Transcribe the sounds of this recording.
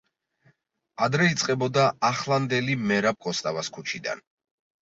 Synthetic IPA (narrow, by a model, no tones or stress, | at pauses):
ad̪ɾɛit̪sʼqʼɛbɔd̪aaχlˠand̪ɛlimɛɾap̚kʰʼɔst̪ʼavaskʰut͡ʃʰid̪a̰n